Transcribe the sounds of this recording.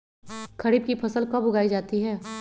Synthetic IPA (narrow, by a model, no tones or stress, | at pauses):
kɐɾiːb̚kipʰɐsəlkɐbʊɡaːid͡ʒaːt̪iɦɛː